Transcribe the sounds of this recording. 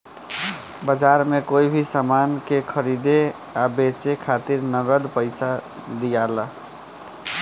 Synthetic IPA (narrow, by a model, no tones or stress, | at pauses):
bəd͡ʒaɾmekoibʱisamankekʰəɾid̪e | abet͡ʃekʰat̪iɾnəɡəd̪pəɪsad̪ijalə